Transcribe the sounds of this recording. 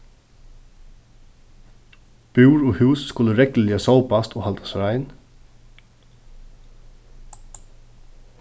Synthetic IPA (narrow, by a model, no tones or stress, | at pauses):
b̥ʉːɹɔːhʉːsːkʊləɾɛkləliasaːwpast̪ʰɔhalt̪ḁsɾaɪjn